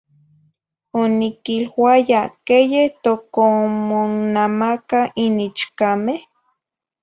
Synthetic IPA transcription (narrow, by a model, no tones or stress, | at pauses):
onikilwajakejeht̪okomonamakainit͡ʃkameh